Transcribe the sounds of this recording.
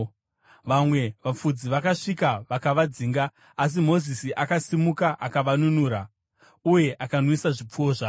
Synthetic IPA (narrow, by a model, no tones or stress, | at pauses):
ʋamwe̞ʋap͡fud͡ziʋakaʂikaʋakaʋad͡ziːŋɡaː | s̬imo̞zisiʔakasimukaʔakaʋanunuɾa | uje̞ʔakanwisaʐip͡fuoːʐa